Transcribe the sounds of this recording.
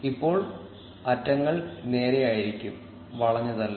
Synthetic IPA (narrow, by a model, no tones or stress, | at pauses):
ipːo̞ːɭ | ɐtːɐŋːɐɭne̞ːɾe̞jaːjiɾikʲːum | ʋɐɭɐɲːɐðɐlː